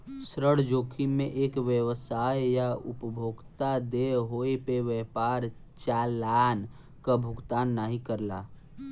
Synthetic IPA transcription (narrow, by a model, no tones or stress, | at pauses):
sɾəɽ̤d͡ʒoːkʰimẽʔeːkʋjəʋəsaːjjaʊ̰pəbʱoːɡt̪ad̪eɦoːepeʋɛpaːɾ | t͡ʃaːlaːn | kabʱʊɡt̪aːnːaɦikəɾla̰ː